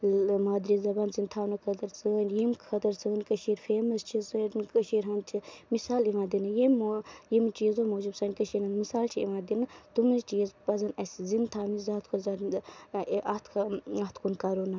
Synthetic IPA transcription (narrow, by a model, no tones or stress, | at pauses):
maːd̪ɾizɐbaːnzint̪ʰaːnukʰɐt̪ɐɾt͡sɨnjimkʰɐt̪ɐɾt͡sɨnkɐʃiːɾfeːmɐst͡ʃʰisɐɾnkɐʃiːɾɦɐnt͡ʃʰimisaːliʋãːnd̪inɨjimjimt͡ʃiːzomoːd͡ʒibsɐnkɐʃiːnʲɐnmisaːlt͡ʃʰiḭʋãːd̪inɨt̪umit͡ʃiːzpɐzɐnɐszint̪ʰaːmizaːt̪kʰozɐ | ʔɐt̪ʰkʰɐt̪ʰkʰunkɐɾona